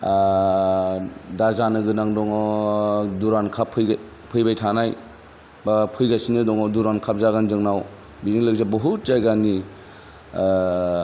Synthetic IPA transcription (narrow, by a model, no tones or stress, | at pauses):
dazanɯɡɯnaŋdɔŋɔ | duɾankʰapʰːɯj | pʰɯjbajtʰanaj | bapʰɯjɡasinɯdɔŋɔduɾankʰap̚zaɡanzɯŋnaw | biziŋlɯk̚zabɔɦut̚zajɡani